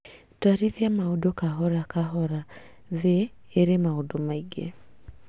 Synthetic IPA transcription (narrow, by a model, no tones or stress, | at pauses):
taɾiðiamaodokaɦɔɾakaɦɔɾa | ðeː | ɾemaodomaiɡḛ